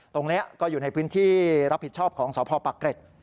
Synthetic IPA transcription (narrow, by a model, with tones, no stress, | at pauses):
t̪o˧ŋni˦˥ɐkɔː˥˩juː˨˩na˧jpʰɯː˦˥nt̪ʰiː˥˩ɾa˦˥p̚hi˨˩t̪̚t͡ɕʰɔː˥˩p̚kʰɔː˩˦ŋsɔː˩˦pʰɔː˧pa˨˩kɾe˨˩t̪̚